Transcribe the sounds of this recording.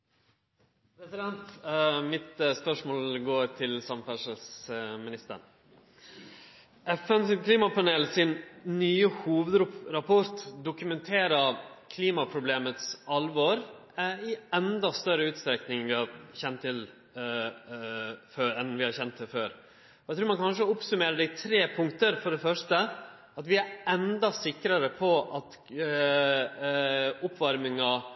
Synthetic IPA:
pʰɾɛsɪd̪ɛnt̪mɪt̪spœʂmoːlɡoːɾt̪ʰɪlsɑmfæʂəlsmɪnɪst̪ə̰ɳ | ɛfɛnskʰliːmɑpɑneːlsɪnnyːəhuːʋəd̪ɾɑpʰɔɾt̪d̪ʊkʉmɛnt̪ʰeːɾɑkʰliːmɑpʰɾʊbleːmət̪sɑlʋɔɾ | ɪɛnd̪ɑst̪œɾəʉːt̪st̪ɾɛknɪŋʋɪhɑɾçɛnt̪ʰːɪl | føːɾɛnʋɪhɑɾçɛnt̪ʰːɪlføːɾ | ɔæɪt̪ɾuːɾmɑnkʰɑnʂ̬əʊpsʉmeːɾəɖɛɪt̪ʰɾeːpʰʊŋkt̪əɾfɔɖɛfœʂʈə | ɑt̪ʋɪæɾɛnd̪ɑsɪkɾɑɾəpʰɔʔɑt̪ | ʊpːʋɑɾmɪŋɑ

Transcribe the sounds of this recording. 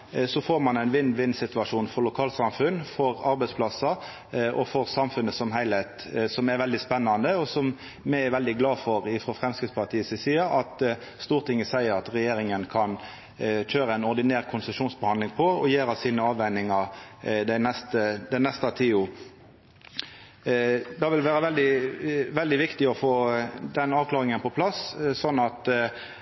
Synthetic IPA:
sɔfoːɾmɑnæɪnʋɪnːʋɪnsɪt̪ʉɑʂuːnfɔɾlʊkʰɑːlsɑmfʉnfɔɾɑɾbæɪspʰlɑsɑ | ʔɔ̰fɔɾsɑmfʉnːəsɔmɦæɪlhɛɪt̪ | sɔmɛɾʋɛld̪ɪspɛnːɑnd̪əɔsɔm | mɛɛɾʋɛld̪ɪɡlɑːfɔʁɪfɾɔfʁɛmskɾɪd̪spɑʁt̪ʰiːəsəsiːɑɑt̪ | st̪uːʁt̪ʰɪŋːəsæɪəɾɑt̪ɾɛjeːɾɪŋənkʰɑn | c͡çøːɾəæɪnɔʁd̪ɪneːʁkʰʊnsəʃuːnsbəhɑnd̪lɪŋpʰɔɔjeːɾɑsiːnəɑːʋɛɪnɪŋɑd̪ænɛst̪əd̪ɛnɛst̪ɑt̪ʰiːu | d̪ɑʋɪlʋæːɾəʋɛld̪ɪʋɛld̪ɪʋɪkt̪ɪɔfoːd̪ɛnɑːʋkʰlɑːʁɪŋənpɔpʰlɑssɔnːɑt̪

